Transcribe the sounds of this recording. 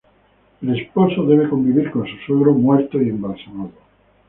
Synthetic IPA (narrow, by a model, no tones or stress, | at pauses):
ele̞spo̞soðe̞β̞eko̞mbiβiɾkõ̞nsusweɣɾomwe̞ɾt̪oie̞mbalsamaðo